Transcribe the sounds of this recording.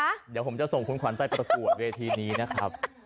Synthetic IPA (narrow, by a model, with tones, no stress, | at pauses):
diː˨˩pʰo˩˦mt͡ɕa˨˩so˨˩ŋkʰu˨˦nkwa˩˦np̪a˨˧˩jpɾa˧ku˨˩ət̪̚weː˧t̪ʰiː˧niː˦˥na˦˥kʰɾa˦˥p̚